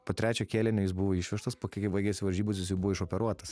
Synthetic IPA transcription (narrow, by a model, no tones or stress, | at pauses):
poːt̪ʲɾʲæːt͡ʃʲoːkʲeːlʲɛnʲoːjɪs̬bʊʋoːiʃʲʋʲɛʃt̪ɐspoːkʲɪkʲɪbɐɪɡʲɛsʲɪʋɐlʲʒʲiːbʊs̬ʲjɪs̬jɛbuʋoːɪʃoːpʲɛɾuɔt̪ɐs